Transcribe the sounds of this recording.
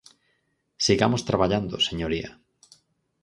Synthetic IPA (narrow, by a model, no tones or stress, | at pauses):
siɣamost̪ɾaβaʎand̪oseɲoɾia̰